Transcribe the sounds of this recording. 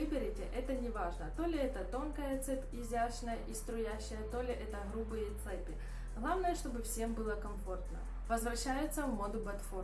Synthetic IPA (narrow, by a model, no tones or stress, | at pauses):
vɨbʲɪɾʲɪtʲɪʔɛt̪ənʲɪvaʐnət̪o̞lʲɪɛt̪ət̪o̞nkəjət̪sɛpʲɪzʲaɕnəjəʔist̪ɾʊjæɕːɪjət̪o̞lʲɪʔɛt̪əɣɾubɨjət̪sɛpʲɪ | ɣlˠavnəjəʂt̪o̞bɨfsʲe̞mbɨlˠəkɐmfo̞rt̪nə̰ | vəzvɾɐɕːæjʊt̪səvmod̪ʊbɐt̪fo